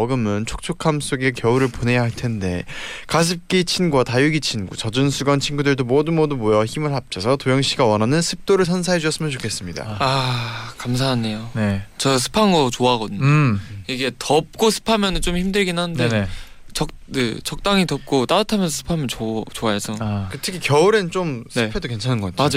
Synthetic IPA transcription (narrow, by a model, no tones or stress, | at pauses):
ʌɡɯmɯnt͡ɕʰo̥k̚t͡ɕʰokʰams͈oɡe̞kjʌuɾɯɭpone̞jaɦaɭtʰe̞nde̞kas̬ʰɯp̚k͈it͡ɕʰinɡuatajuɡit͡ɕʰinɡut͡ɕʌd͡ʑɯnsʰuɡant͡ɕʰinɡudɯɭdomʌdumʌdumojʌçimɯɭɦap̚t͡ɕʰʌsʰʌtojʌŋɕ͈ʰiɡawʌnɦanɯnsʰɯp̚t͈oɾɯɭs̬ʰʌns̬ʰaɦed͡ʑuʌs͈ɯmjʌnt͡ɕokʰe̞s͈ɯmɲida̰akams̬ʰaɦaɲejonet͡ɕʌsʰɯ̥pʰanɡʌt͡ɕoaɡʌdɯɲoiɡe̞tʌp̚k͈osʰɯ̥pʰamjʌnɯnt͡ɕomçimdɯɭɡinɦanɯndee | t͡ɕʌk̚ | kɯt͡ɕʌk̚t͈aŋitʌp̚k͈ot͈aatʰamjʌnsʰʌsʰɯ̥pʰamjʌnt͡ɕot͡ɕoaesʰʌkɯtʰɯkʰikjʌuɾɯnt͡ɕ͈omsɯpʰe̞doke̞nt͡ɕʰanɯnɡʌk͈ːatʰmad͡ʑ